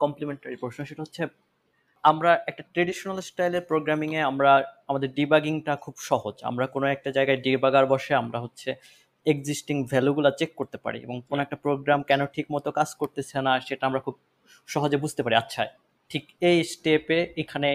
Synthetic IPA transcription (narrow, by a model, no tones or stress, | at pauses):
kɔmplemeɳʈaɾipɾoʃnoʃeʈaɦotːɕʰe | amɾaʔɛk̚ʈaʈɾeɖiʃonalsʈajleɾpɾoɡɾamiŋeamɾaamad̪eɾɖibaɡiŋʈakʰubʃɔɦod͡ʑa̰mɾakonoɛk̚ʈad͡ʑaeɡaeɖibaɡaɾbɔʃeamɾaɦotːɕʰe | eɡd͡ʑisʈiŋvʱɛluɡulat͡ɕekːoɾt̪epa̰ɾḭḛboŋkonoɛk̚ʈapɾoɡɾamkɛnoʈʰikmɔt̪okad͡ʑkoɾt̪et͡ɕʰenaʃeʈaamɾakʰub̚ | ʃɔɦod͡ʑebud͡ʑʱt̪epaɾiatːɕʰae | ʈʰikejsʈepeekʰane